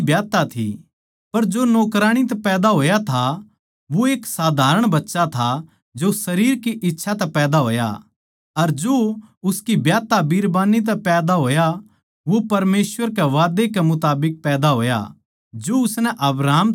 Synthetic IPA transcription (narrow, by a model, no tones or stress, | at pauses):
bjaːt̪at̪ʰḭ | pɐɾd͡ʒoːnoːkɾaːɽ̃it̪̬ɛpɛːd̪aɦoːjat̪ʰa | ʋoeːksaːd̪ʱaːɾəɽ̃bɐtːʃat̪ʰa | d͡ʒosɐɾiːɾkiʔɪtːʃʰat̪ɛpɛːd̪aɦo̰ːja̰ | ɐɾd͡ʒoːʊskibjaːt̪abiːɾbaːnit̪̬ɛpɛːd̪aɦoːja | ʋopɐɾmeːsʋəɾkɛʋaːd̪ekɛmʊt̪aːbɪk̚pɛːd̪aɦo̰ːja̰ | d͡ʒoʊsnɛʔɐbɾaːm